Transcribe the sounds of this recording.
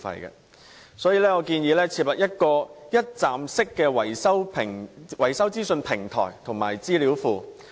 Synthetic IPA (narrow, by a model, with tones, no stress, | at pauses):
fɐ̰˨jkɛ̰˧ | sɔː˨˥jiː˨˧lɛː˥ŋɔː˨˧kiː˧njiː˨˧lɛː˥t͡sʰiː˧˩p̚lɐ˨t̚jɐ˥t̚kɔː˧jɐ˥t̚t͡saː˨msɪ˥kːɛː˧wɐ˨˩jsɐ˥wpʰɪ˨˩ŋwɐ˨˩jsɐ˥wt͡siː˥sɵ˧npʰɪ˨˩ŋt̪ʰɔ̰ː˨˩jt̪ʰʊ˨˩ŋma̰ː˨˩jt͡siː˥li˨˥wfuː˧